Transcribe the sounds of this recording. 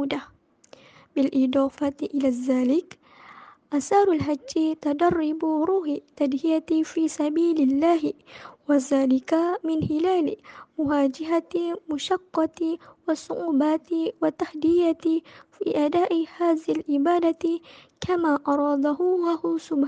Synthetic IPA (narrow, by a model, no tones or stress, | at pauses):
d̪a | bɪlʔɪd̪ˤɑːfat̪ʔɪlaːðːaːlɪk | ʔasaːɾˤalɦad͡ʒːɪt̪ad̪ɑrˤːɪbɾuːhɪt̪ːad̪hɪjat̪fiːsabiːlɪlːaːɦɪwaðaːlɪkamɪnhɪlaːlɪmʊɦaːd͡ʒɪɦat̪mʊʃɑqːɑt̪wɑsˤːʊʔuːbaːt̪ɪwat̪ahd̪ɪjat̪ɪfḭːʔad̪aːʔɪhaːðɪhɪlʔɪbaːd̪at̪kʰamaːʔɑɾˤɑːd̪aɦʊahʊsʊb